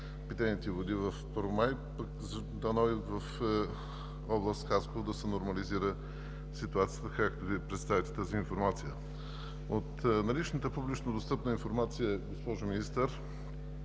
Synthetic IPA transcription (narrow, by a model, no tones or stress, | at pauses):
pit̪ɛnʲit̪ɛvod̪ivɐfpəɾvomajpəkz | d̪ɐnɔjvɐf | ɔblˠəst̪xaskovod̪ɐsɛnoɾmɐliziɾə | sit̪uat̪sijət̪əkakt̪oviɛpɾɛt̪st̪avit̪ɛ̥t̪aziːnfoɾmat̪sijə | ot̪nɐlit͡ʃnət̪əpublit͡ʃnəd̪ost̪ɤpnəinfoɾmat̪sijəɡospɔʒʊminist̪əɾ